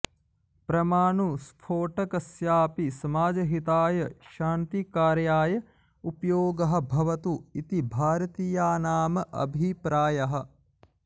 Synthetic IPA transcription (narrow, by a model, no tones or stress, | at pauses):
pɾɐmaːɳuspʰoːʈɐkɐsjaːpisɐmaːd͡ʒɐɦit̪aːjɐʃaːnt̪ikaːɾjaːjɐ | upjoːɡɐɦɐ̆bʱɐʋɐt̪uit̪ibʱaːɾɐt̪ijaːnaːmɐʔɐ̰bʱipɾaːjɐɦɐ̆